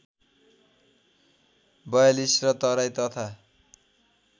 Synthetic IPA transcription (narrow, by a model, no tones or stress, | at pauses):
bʌjalisrʌt̪ʌɾajt̪ʌt̪ʰa